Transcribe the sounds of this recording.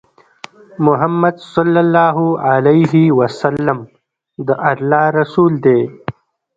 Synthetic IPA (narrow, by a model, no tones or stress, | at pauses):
mʊɦamːɐd̪sɔlːalːɑːɦualejɦiwɐsalːam | d̪əʔɐɾlɑːɾɐsuːld̪eː